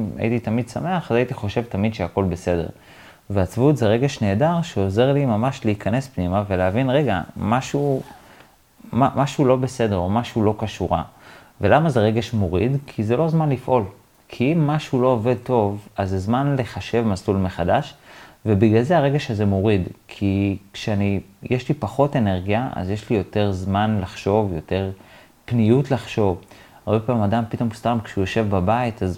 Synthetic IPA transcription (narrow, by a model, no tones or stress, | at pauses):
ma̰jḭt̪it̪amid̪same̞aχazait̪iχo̞ʃe̞vt̪amidʃeako̞lbe̞se̞de̞̰ʁ | veat͡svutzeʁe̞ɡe̞ʃneːdaʁʃeo̞ze̞ʁlimamaʃleikʰane̞spnimaveleavinʁe̞ɡa̰maʃu | mamaʃulo̞be̞se̞de̞ʁo̞maʃulo̞kaʃuʁa̰ | ve̞lamazeʁe̞ɡe̞ʃmo̞ʁidkʰizelo̞zmanlifʔo̞l | kʰiimːaʃulo̞ove̞d̚to̞vazːezmanle̞χaʃe̞vmasulmeχadaʃvebiɡalzeaʁe̞ɡeʃazemo̞ʁidkʰikʃeanijʔeʃlipaχo̞te̞ne̞ʁɡijaʔa̰zjeʃlijo̞te̞ʁzmanlaχʃo̞vjo̞te̞ʁ | pnijutlaχʃo̞v | aʁbepaːmadampit̪o̞mstamkʃeujoʃe̞vbabaitaz